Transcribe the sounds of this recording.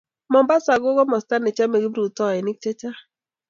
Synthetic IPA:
mɔ˨mba˦sa˨ɡo˦ɡɔ˦mɔ˨sta˦nɪ˨t͡ʃa˦me˨ɡi˦bɾu˨tɔ˦˨ɛ˨ni˦k̚t͡ʃe˦t͡ʃa˦

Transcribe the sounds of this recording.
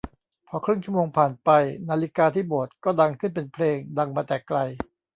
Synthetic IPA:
pʰɔː˧kʰɾɯ˥˩ŋt͡ɕʰu˥˩˨moː˧ŋpʰaː˨˩npa˧jnaː˧li˦˥kaː˧t̪ʰiː˥˩bo˨˩ət̪̚kɔː˥˩da˧ŋkʰɯ˥˩np̬e˧npʰleː˧ŋda˧ŋmaː˧t̪ɛː˨˩kla˧j

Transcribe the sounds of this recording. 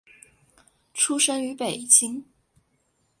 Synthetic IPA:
ʈ͡ʂʰu˥ʂə˥ŋy˧˥pe˨˩ɪt͡ɕi˥ŋ

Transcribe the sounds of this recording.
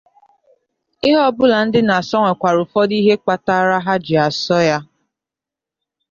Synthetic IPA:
ɪ˦ɦɔ˦bʊ˦la˨n̩˦dɪ˦na˨sɔ˦ŋʷe˨kʷa˨ɾʊ˨fɔ˦di˦ɦe˦k͡pa˨ta˦ɾa˦ɦa˦d͡ʒɪ˨a˨sɔ˦ja˦

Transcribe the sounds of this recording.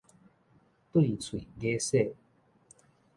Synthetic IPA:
t̪u˥˨i˨t͡sʰwi˨ɡe˦se˥˧˨

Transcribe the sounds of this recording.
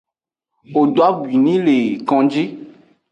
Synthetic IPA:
wo˨do˨˦a˦ɡi˨nĩ˦le˨kɔ̃˨d͡ʒi˦

